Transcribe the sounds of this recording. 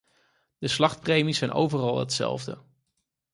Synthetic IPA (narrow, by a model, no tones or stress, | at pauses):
d̥əslɑχt̚prejmisɛjnʔo̰wvərɑlˠɦə̰tsɛ̰lˠvdə̰